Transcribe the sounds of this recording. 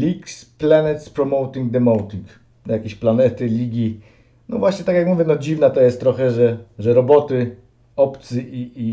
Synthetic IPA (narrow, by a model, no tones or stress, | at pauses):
lʲiksplanɛt̪spɾɔmɔwt̪ʲiŋɡ̚d̪ɛmɔwt̪ʲiŋk | jakʲeɕplanɛt̪ɘlʲiɡʲi | nɔ̰vwaɕɲɛt̪akjakmuvʲjɛnɔd͡ʑivnat̪ɔjɛst̪ːɾɔxɛʐɛʐɛɾɔbɔt̪ɘ | ɔpt̪sɘʔii